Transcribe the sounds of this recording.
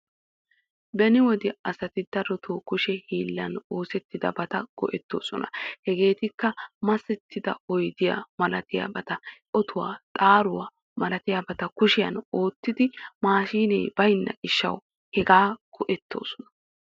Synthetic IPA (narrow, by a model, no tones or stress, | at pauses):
bɛnɪwɔd̪ɪɐsɐt̪ɪd̪ɐɾɔt̪ʰoːkʊʃɛhiːlːɐno̞ːsɛt̪ːɪd̪ɐ̰bɐt̪ɐɡ̥ɔ̰ʔɛt̪ːo̰ːsɔnɐ̰hɛɡe̞ːt̪ɪkːɐmɐsɛt̪ʰːɪd̪ɐ̰ɔjd̪ɪja̰mɐlɐt̪ɪja̰bɐt̪ɐʔɔt̪ʰʊwa̰ːt̪ʼaːɾʊwaː | mɐlɐt̪ɪjabɐt̪ɐkʊʃɪjɐ̰no̞ːt̪ːɪd̪ɪmaːʃiːnḛːb̥ɐjnːɐ̰ɡɪʃːɐ̰w | hɛɡaːɡ̥ɔʔɛt̪ːo̞̰ːsɔnɐ̥